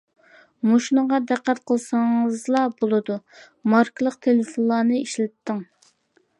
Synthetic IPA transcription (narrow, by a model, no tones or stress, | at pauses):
moʃnəʁɑd̪æqːæt̪̚qʰəlˠsɑŋɨzlˠɑbolˠɨd̪u | mɑɾklˠəq̚t̪ʰelɪfonlˠɑːnɨiʃlɪt̪ːəŋ